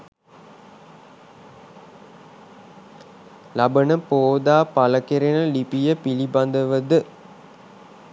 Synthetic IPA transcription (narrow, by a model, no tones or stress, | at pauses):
labənəpoːd̪aːpaləkeɾenəlipijəpiliband̪əʋəd̪ə